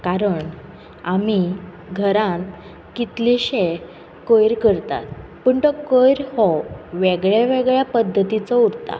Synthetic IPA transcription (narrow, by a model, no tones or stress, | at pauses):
kaɾəɳ | ami | ɡʱəɾãn | kit̪liɕe | kəjɾkəɾt̪a̰t̪pəɳt̪əkəjɾhɔʋeɡɭjaʋeɡɭjapəd̪ʱːət̪it͡sɔuɽt̪a̰